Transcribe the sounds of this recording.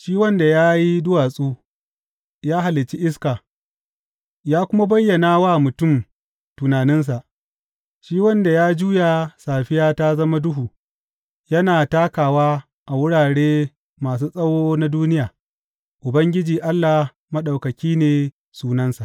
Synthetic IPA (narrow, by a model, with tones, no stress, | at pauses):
ʃiː˦wɐ˦nda˨jaː˦ji˦dʊ˦waː˨sʼuː˦ | jaː˦ɦa˨lɪ˨t͡ʃi˦ʔɪ˦skaː˨ | jaː˦kʷʊ˦ma˦bɐ˦jːɐ˨naː˦waː˦˨mʊ˨tʊ˦˨m | tʊ˨naː˨nɪ˦ns̬a˨ʔ | ʃiː˦wɐ˦nda˨jaː˦d͡ʒuː˦ja˨saː˨ɸɪ˦jaː˦ta˦zɐ˦ma˦dʊ˦ɦuː˨ | jɐ˦naː˨taː˦kaː˨waː˦ | ʔa˨wʊ˦ɽaː˨ɽeː˦ | maː˨s̬uː˦sʼɐ˦woː˦na˦duː˦nɪ˦jaː˨ | ʔʊ˨bɐ˦ŋɡʲɪ˦d͡ʒiː˨ʔa˦lːaː˨ | mɐ˦ɗa˨wkɐ˨kʲiː˦neː˨ | suː˦nɐ˦nsa˨ʔ